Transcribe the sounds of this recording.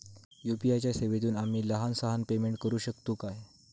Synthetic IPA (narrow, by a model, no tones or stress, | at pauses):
jupiajt͡ɕjaseʋet̪uːnam̤iːləɦansaɦanpemeɳʈkəɾuːɕəkt̪uːkaj